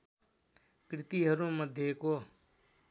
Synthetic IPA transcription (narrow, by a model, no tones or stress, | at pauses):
kɾɪt̪iːɦəɾũːəd̪ʱjeːkoː